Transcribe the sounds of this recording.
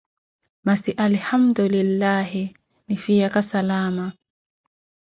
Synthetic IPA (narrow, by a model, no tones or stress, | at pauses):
masiʔalhamd̪ʊlɪlːaːɦɪ | nɪfijakasalaːma